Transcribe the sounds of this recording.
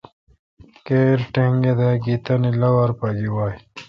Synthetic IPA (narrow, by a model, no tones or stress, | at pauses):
keːɾʈeŋɡed̪eɡit̪ɐnilɐwɐɾpɐɡiwaːj